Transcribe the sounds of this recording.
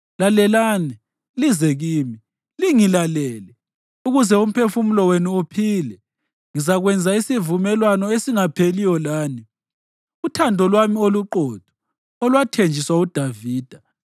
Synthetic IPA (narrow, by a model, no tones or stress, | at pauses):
lalɛlaːni | lizɛɣiːmi | liŋilalɛːlɛ | uɣuzɛum̩pʰefumulɔwenuupʰiːlɛ | ŋizaɣwɛnd͡zʱaisivumɛlwanɔesiŋapʰelijɔlaːni | utʰandʱɔlwamioluǃɔd̥ʱɔ̥ | ɔlwatʰend͡ʒʱiswaud̥ʱaviːd̥ʱa